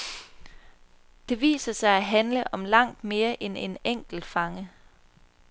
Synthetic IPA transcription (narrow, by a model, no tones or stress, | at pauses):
d̥e̝ʋḭːsɐsɑ̈ɪæɦænləʔɒ̽mlɑ̈ŋ̰d̥me̝ːɐʔeneneŋ̰ɡ̥l̩d̥fɑ̈ŋə